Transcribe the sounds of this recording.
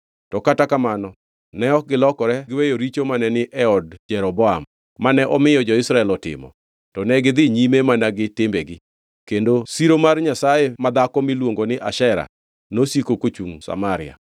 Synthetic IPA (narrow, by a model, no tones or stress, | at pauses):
tɔkatakamanɔ | nɛɔk̚ɡɪlɔkɔɾɛɡɪwejoɾit͡ʃomanɛnɪʔɛɔdd͡ʒɛɾɔbɔa̰mː | anɛʔɔmɪjɔd͡ʒɔɪsɾaɛlɔtɪ̰mɔ̰ | tɔnɛɡɪd̪ɪɲimemanaɡɪtɪmbɛɡɪ | kendosiɾomarɲasajemad̪akɔmɪlwoŋɡonɪʔaʃɛɾa̰ | nosikokot͡ʃuŋsa̰maɾɪ̰a̰